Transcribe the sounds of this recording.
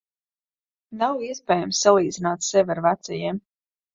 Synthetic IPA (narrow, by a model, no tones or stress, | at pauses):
nawiɛspeːjamsːalˠiːd̪zinaːt̪sɛvʲaɾvat̪sɛjɛːm